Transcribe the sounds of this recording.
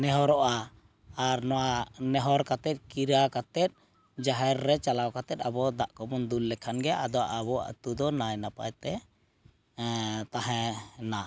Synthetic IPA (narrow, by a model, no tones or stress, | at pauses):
nɛɦɔɾɔʔaː | ɾnɔwanɛɦɔɾkat̪ɛt̪̚ˀkiɾakat̪ɛt̪̚ | d͡ʒaɦɛɾːɛt͡ʃalawkat̪ɛt̪̚abɔd̪aʔkɔmɔnd̪ulːɛkʰanɡɛʔa̰d̪ɔwa̰ʔabɔa̰ʔt̪ud̪ɔnajnapa̰jt̪ɛ | t̪aɦɛ̃na